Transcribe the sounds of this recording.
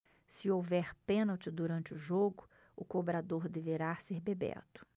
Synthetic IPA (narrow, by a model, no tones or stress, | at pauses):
sɪowvɛɾpẽnawt͡ʃɪd̪uɾɐ̃nt͡ʃɪʊʒoɡʊ | ʊkobɾad̪oɾd̪eveɾaseɾbebɛ̰ɾt̪ʊ̥